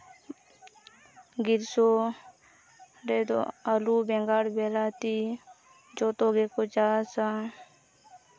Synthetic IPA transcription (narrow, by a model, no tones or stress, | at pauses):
ɡɪɾsoː | ɾeːt̪o̰aluːbeŋɡaːɽbeːlaːt̪i | d͡ʒoːt̪oːɡeːkod͡ʒaːsa